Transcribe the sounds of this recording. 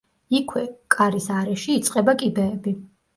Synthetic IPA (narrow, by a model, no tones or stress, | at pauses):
ikʰwɛkʼaɾisaɾɛʃiːt̪sʼqʼɛbakʼibɛːbi